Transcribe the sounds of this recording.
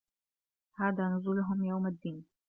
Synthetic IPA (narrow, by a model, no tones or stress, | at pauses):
haːd̪aːnʊzulʊɦʊmjawmad̪ːiːn